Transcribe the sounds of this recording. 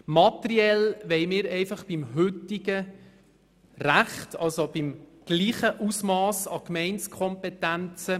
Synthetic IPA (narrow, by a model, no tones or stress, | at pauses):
mɑt̪ɾiɛlʋɛɪmɪːɾɛɪfɑχb̥imɦʏt̪ɪɡə | ræχtʰɑlsob̥ɪmɡ̥liːχəʔusmɑːsɑkmɛɪnskʰɔmpɛt̪ænt͡sə